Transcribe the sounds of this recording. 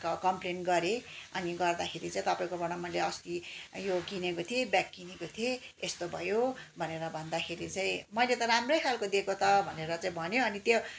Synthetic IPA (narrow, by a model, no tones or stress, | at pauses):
kkʌmplenʈɡʌɾeʌniɡʌrd̪akʰeɾit͡sãĩt̪ʌpaĩkobʌɽ̃ʌmʌjleʌst̪ijoɡinekot̪ʰiebjak̚ɡinekot̪ʰieest̪obʱʌjobʱʌneɾʌbʱʌnd̪akʰeɾit͡saĩmʌjlet̪ʌɾamrʌjkʰjalkod̪ekot̪ʰʌbʱʌneɾʌt͡saĩbʱʌnjoʌnit̪jo